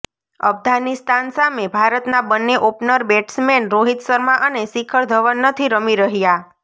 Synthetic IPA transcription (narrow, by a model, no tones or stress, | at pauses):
ə̰fɡanist̪ansamebʱaɾət̪nabənːeʔopnəɾbeʈsmenɾoɦit̪səɾmãʔənesikʰəɭd̪ʱəʋənːət̪ʰiɾəmiɾəɦja